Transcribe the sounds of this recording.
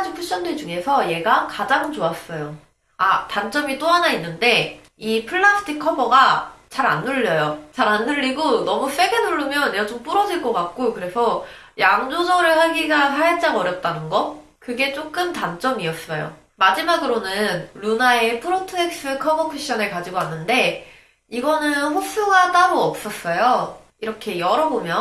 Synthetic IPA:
ad͡ʑupʰuɕ͈ʌnded͡ʑuŋe̞sʰʌje̞ɡakad͡ʑaŋt͡ɕoas͈ʌjo | atant͡ɕ͈ʌmit͈oɦanainːɯnde̞ | ipʰɯɭːasʰɯ̥tʰikʰːʌbʌɡat͡ɕaɾa̰nːuʎːʌjot͡ɕaɾanːɯʎːiɡonʌmus͈e̞ɡenuɭːumjʌnːeɡat͡ɕomp͈uɾʌd͡ʑiɭk͈ʌkak̚k͈ojokɯɾe̞sʰʌ | jaŋd͡ʑod͡ʑʌɾɯɭhaɡiɡasʰajet͡ɕ͈aɡʌɾjʌp̚t͈anɯnɡʌ | kɯɡe̞t͡ɕ͈ok͈ɯmtant͡ɕ͈ʌmiʌs͈ʌjo̰ | mad͡ʑimaɡɯɾonɯnɾunae̞pʰɯɾotʰɯek̚s͈ɯkʰʌbʌpʰiɕ͈ʌnɯɭkad͡ʑiɡoanːɯnde̞ | iɡʌnɯnɸos͈uɡat͈aɾoʌp̚s͈ʌs͈ʌjo | iɾʌkʰe̞jʌɾʌbomjʌ

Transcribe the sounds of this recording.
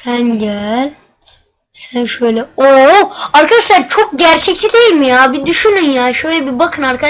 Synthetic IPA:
sænɟælʲ | sænʃø̞jlʲɛoaɾkʰad̪aʃlˠaɾt͡ʃʰok̚ɟæɾt͡ʃʰɛct̪ʰid̪ejilʲmijaːbid̪yʃynynjaːʃøjlʲɛbibakʰɯnaɾkʰa

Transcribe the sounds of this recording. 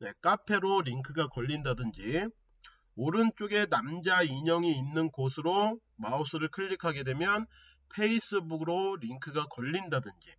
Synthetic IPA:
ne̞k͈apʰe̞ɾoɾiŋkʰɯɡakʌʎːindadɯnd͡ʑi | oɾɯnt͡ɕ͈oɡe̞namd͡ʑaiɲʌŋiːnːɯnkosʰɯɾo | maosʰɯɾɯɭkʰɯʎːikʰaɡe̞dwe̞mjʌn | pʰe̞is͈ɯbuɡɯɾoɾiŋkʰɯɡakʌʎːindadɯnd͡ʑi

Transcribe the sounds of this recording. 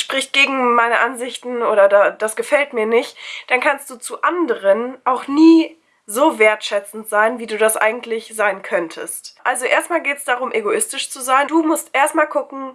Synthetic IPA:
ʃpʁ̥ɪçt̚ɡ̥eːɡŋ̩maɪnəʔanzɪçtn̩ʔoːɾɐdad̥asɡ̥əfɛltmiːɐnɪçtd̥ankʰanst̚d̥uːt͡suʔandəʁ̞ənʔaʊxniː | zoːveːɐtʃɛt͡sn̩tz̥aɪnviːduːdasʔa̰ɪɡŋ̩tʰlɪçz̥aɪnkʰœntʰəstʔalzoʔeːɐstmaːlɡeːtə̥sd̥aʁ̞ʊmʔeɡoʔɪstɪʃt͡suzaɪnduːmʊstʔeːɐstmaːlɡʊkŋ̩

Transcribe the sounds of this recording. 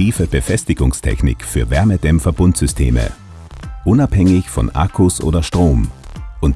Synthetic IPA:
iːfəb̥əfɛstɪɡʊŋstʰɛ̰çnɪ̰kfyːɐvɛɐmədɛmfɐbʊntz̥ʏstʰḛːmə̰ | ʔʊnaphɛŋɪçfɔ̰nʔa̰kʰʊsʔo̰ːdɐʃtʁ̥oːmʔʊnt

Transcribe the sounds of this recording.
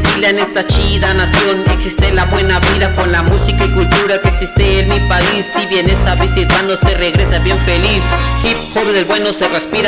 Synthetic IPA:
ilaenest̪at͡ʃiðanasjoneksist̪elaβwenaβiðakonlamusikaikult̪uɾakeksist̪eːnmipaisːiβjenesaβisit̪anot̪ereɣɾesabjeɱfelisxipxoβðelβwenoserespiɾa

